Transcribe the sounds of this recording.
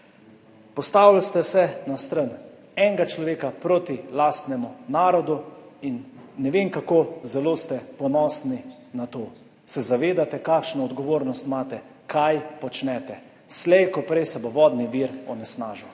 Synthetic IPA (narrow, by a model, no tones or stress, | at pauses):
pɔst̪aːwlalst̪ɛsɛnast̪ɾən | ɛŋɡat͡ʃlɔʋeːkapɾot̪ilast̪nɛmunaːɾɔd̪uinːɛʋeːmkakoːzɛloːst̪ɛpɔnɔːsni | nat̪oː | sɛzaʋeːd̪at̪ɛkakʃnɔɔd̪ɡɔʋoːɾnɔst̪maːt̪ɛ | kʰajpɔt͡ʃnɛt̪ɛ | slɛjkɔpɾɛjsɛboʋɔd̪niʋiɾɔnɛsnaːʒu